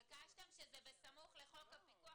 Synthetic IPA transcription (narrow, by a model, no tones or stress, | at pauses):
ɡaʃtemʃezɛbesamuχleχo̞kapikua